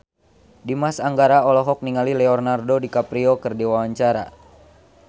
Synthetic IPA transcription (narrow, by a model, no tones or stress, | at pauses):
dimasaŋɡaɾaɔlɔɦɔk̚niŋalilɛɔrnardodikapɾiɔkɨrdiwawaɲt͡ʃaɾa̰